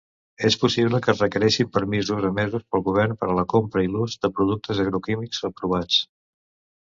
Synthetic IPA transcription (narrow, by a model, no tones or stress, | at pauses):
espusiβləkərəkəɾɛʃimpəɾmizuzəmɛzuspəlˠɣuβ̞ɛrnpəɾələkompɾəiluzd̪əpɾuð̞uk̚t̪əzəɣɾukimikzəpɾuβat͡s